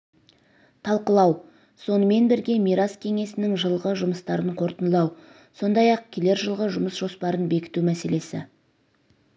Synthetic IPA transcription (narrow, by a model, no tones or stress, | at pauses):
t̪ʰɑlˠqəlˠɑw | so̞nəme̞nbɪɾɡʲe̞miɾaskʲʰeŋe̞sɪnɪŋʒəlˠʁəʒʊməst̪ɑɾəɴqʰo̞ɾt̪ənlˠɑw | so̞nd̪ɑjɑq̚kʲʰele̞ɾʒəlˠʁəʒʊməsʒ̥o̞spɑɾənbe̞kʲɪ̥t̪umæse̞le̞sɪ̰